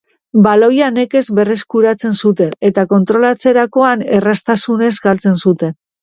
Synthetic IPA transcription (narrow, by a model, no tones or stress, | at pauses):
balojane̞ke̞zβe̞re̞skuɾat͡se̞nsut̪e̞ne̞t̪ako̞nt̪ɾo̞lat͡se̞ɾako̞ane̞rast̪asune̞zɡalt͡se̞nsut̪e̞n